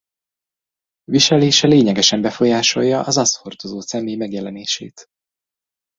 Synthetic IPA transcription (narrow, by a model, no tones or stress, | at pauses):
viʃɛleːʃɛleːɲɛɡɛʃɛmbɛfo̞jaːʃo̞jːɒʔɒzɒsfo̞rt̪ozoːt̪sɛmeːjmɛɡjɛlɛneːʃḛːt̪